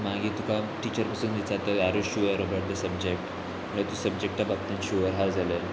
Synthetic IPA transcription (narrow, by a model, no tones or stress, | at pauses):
maɡiːt̪ukaʈit͡ɕəɾpasuːnd̪it͡sat̪əaɾuɕuəɾəbaʈ̚d̪əsəbd͡ʑek̚ʈ | əat̪usəbd͡ʑek̚ʈːabab̚t̪ə̃nɕuəɾɦaɾd͡zalə